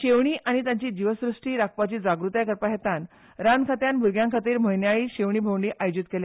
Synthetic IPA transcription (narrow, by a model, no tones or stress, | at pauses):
ɕeʋɳ̃iːʔaɽ̃it̪jaɲt͡ɕiːd͡ʑiʋəsɾuʂʈiːɾak̚pat͡ɕiːd͡zaɡɾut̪jakəɾpaɦet̪an | ɾankʰat̪janbʱuɾɡjãŋkʰat̪iːɾm̤əjnjaɭiːɕeʋɳiːbʱowɳɖiːʔajod͡ʑit̪̚kele